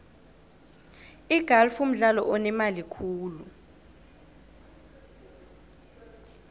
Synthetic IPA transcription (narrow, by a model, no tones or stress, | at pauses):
iɡ̥ʱalfum̩ɮalɔʔɔnɛmalikʰuːlu